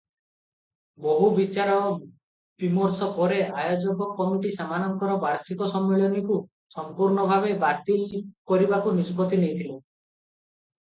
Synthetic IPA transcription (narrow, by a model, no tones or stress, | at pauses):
boɦubit͡ʃaɾɔ | bimɔɾsɔpɔɾeʔajod͡ʒɔkɔkɔŋʈisamanɔŋkɔɾɔbaɾsikɔsɔmːeɭɔniku | sɔmpuɾnɔbʱabebat̪ilkɔɾibakuniskɔt̪inejt̪ʰile